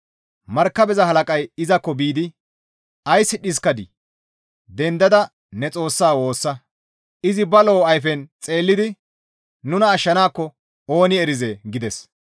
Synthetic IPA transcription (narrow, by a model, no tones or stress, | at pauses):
mɐɾkːɐbɛzɐɦɐlɐkʼɐjɪzɐkːɔbiːd̪ɪ | ɐjsːɪɗɪs̬kːɐd̪ɪ | d̪ɛnd̪ɐd̪ɐ | nɛt͡sʼo̞ːsːaːwo̞ːsːɐ | ɪzɪbɐlo̞ːɐjfɛnt͡sʼe̞ːlːɪd̪ɪ | nʊnɐːʃːɐnaːkːɔ | o̞ːnɪɛɾɪzeːɡɪd̪ɛs